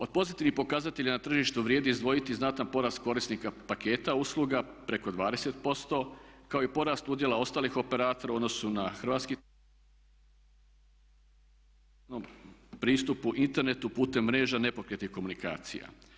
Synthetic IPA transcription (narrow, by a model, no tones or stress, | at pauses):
o̞d̪̚po̞zit̪iʋnixpo̞kazat̪e̞ʎanat̪r̩ʒiʃt̪uʋɾjeːd̪iizd̪ʋo̞jit̪iznat̪anpo̞ɾaːst̪̚ko̞ɾisnikapake̞ːt̪auslˠuɡapɾe̞ko̞d̪ʋaːd̪e̞se̞t̪po̞st̪o̞kao̞ipo̞ɾaːst̪ud̪je̞lao̞st̪aːlixo̞pe̞ɾaːt̪oɾao̞d̪no̞sunaxr̩ʋat̪ski | nompɾiːst̪upuʔint̪e̞ɾne̞t̪upuːt̪e̞mːɾe̞ːʒane̞po̞kɾet̪ihko̞munika̰ːt̪sḭja̰